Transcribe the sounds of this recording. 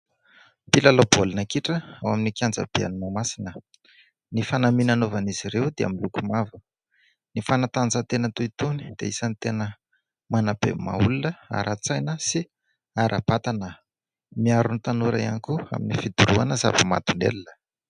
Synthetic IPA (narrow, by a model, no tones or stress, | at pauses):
pilalobolunəkiʈ͡ʂəawaminikʲjand͡za̰b̥ea̰ninamasinə | nifanaminanovaniz̥iɾewd̪ea̰milukumavə | nifanat̪and͡zat̪enət̪uit̪uni̥d̪̥ḛisənit̪enə | manabḛma̰ulunəa̰ɾʔat͡sajnəsi | aɾʔab̥at̪anə | miaɾunit̪anuɾa̰ia̰nikua̰minifid̪uɾuanəza̰vəma̰d̪unḛlinə̥